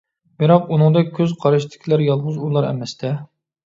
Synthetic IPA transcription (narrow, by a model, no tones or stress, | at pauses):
bɪɾɑqunɨŋd̪ɑkʲʰøzqʰɑɾɨʃt̪ʰɪ̥kʲʰilæɾjɑlˠʁʊzulˠɑɾɛ̰mɛst̪ʰɛ